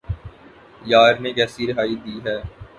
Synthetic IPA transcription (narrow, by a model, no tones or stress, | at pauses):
jaːɾnekɛːsiɾɪɦaːid̪iːɦɛː